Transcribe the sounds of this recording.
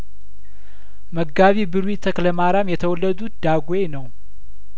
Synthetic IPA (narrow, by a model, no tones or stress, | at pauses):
məɡːaβibɨɾwit̪ʰəkləmaɾamjɛt̪ʰəwɔlːəd̪ut̪̚d̪aɡwenəw